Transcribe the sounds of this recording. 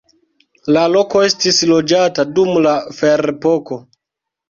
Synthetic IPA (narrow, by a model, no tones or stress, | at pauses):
lalo̞ko̞e̞stislo̞d͡ʒatadumlafe̞ɾepo̞ko̞